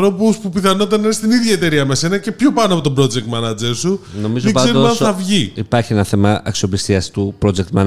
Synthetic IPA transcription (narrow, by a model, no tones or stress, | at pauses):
ɾo̞puspupiθɐno̞t̪̬ɐneest̪iniðʝɐe̞t̪e̞ɾiɐme̞se̞nɐce̞pçopɐnoɐpo̞t̪o̞bɾo̞d͡zek̚t̪mɐnɐd͡zeɾsunomizoiɡzɐeɾmɐθɐvʝiipɐɾçienɐθe̞mɐʔɐksio̞pist̪iɐst̪upɾo̞d͡zek̚t̪mɐn